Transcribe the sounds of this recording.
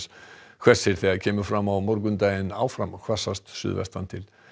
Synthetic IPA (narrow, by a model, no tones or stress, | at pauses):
skʰv̥ɛ̥sɪɾ̥θɛacʰɛːmʏfɾamawmɔɾkʏnt̪aːjɪna̰ːwfɾamkʰv̥ḁsast̪sʏ̰ðvɛ̰st̪ant̪ʰɪl